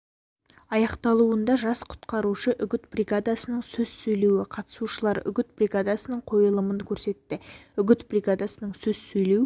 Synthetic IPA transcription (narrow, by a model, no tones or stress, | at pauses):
ɑjɑqt̪ɑlˠuənd̪ɑʒɑsqʰʊ̥t̪qɑɾuʃəʔʏɡʲɪt̪brʲiɡad̪asənəɴsɵz̥sɵjle̞wɪqʰɑt̪ə̥suʃəlˠɑɾʏ̰ɡʲɪt̪brʲiɡad̪asənəɴqʰo̞jəlˠəməŋkʲʰɵɾse̞t̪ːɪʏɡʲɪt̪brʲiɡad̪asənəɴsɵz̥sɵjlew